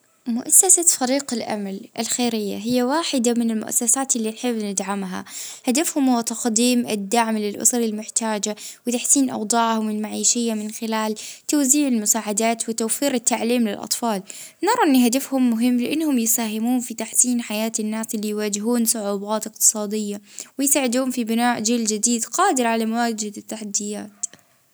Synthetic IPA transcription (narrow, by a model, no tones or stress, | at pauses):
mʊʔasːasafaɾiːqɪlʔa̰malʔɪ̰lxeːɾɪjːa̰ɦɪjːawaːħɪd̪amɪnɪlmʊ̰ʔa̰sːasaːt̪ɪlːiːnħɪbːnɪd̪ʕamɦa̰had̪afhʊmhʊwːat̪ɑqd̪iːmʔɪ̰d̪ːaʕmlɪlʔʊ̰sɑɾˤɪlmʊħt̪aːd͡ʒawɪt̪aħsiːnʔɑ̰wd̪ˤɑːʕhʊmɪlmaʕiːʃɪjːamɪnxɪlaːlt̪awziːʕɪlmʊsaːʕad̪aːt̪wɪt̪awfiːɾɪt̪ːaʕliːmlɪlʔɑ̰t̪ˤfɑːl | nɑɾˤɑʔɪnːɦad̪afhʊmːʊɦɪmːlɪʔɪnːhʊmjɪsaːɦɪmuːnfit̪aħsiːnħajaːt̪ɪnːaːsʔɪlːijwaːd͡ʒɪɦuːnsˤʊʕuːbɑːt̪ɪq̚t̪ɨ̥sˤɑːd̪ɪjːawɪjsaːʕɪd̪uːhʊmfibɪnaːʕd͡ʒɪːld͡ʒɪd̪iːd̪qɑːd̪ɪɾʕalamawaːd͡ʒɪd̪ɪt̪ːaħad̪ːɪjaːt̪